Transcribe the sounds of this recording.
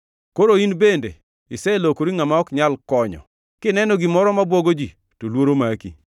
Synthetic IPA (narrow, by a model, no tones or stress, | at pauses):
koɾoinbendḛ | ɪsɛlokoɾiŋamaɔkɲalkɔɲɔ̰ | kɪnɛnɔɡɪmɔɾɔmabwoɡod͡ʒi | tolwoɾomakḭ